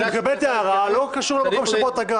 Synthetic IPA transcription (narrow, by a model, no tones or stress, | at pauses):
mekabelt̪eaʁalo̞kaʃuʁlemako̞mʃebot̪aɡa